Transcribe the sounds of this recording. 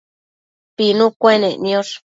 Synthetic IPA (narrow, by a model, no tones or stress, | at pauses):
pinũkʷenẽnj̃oʂ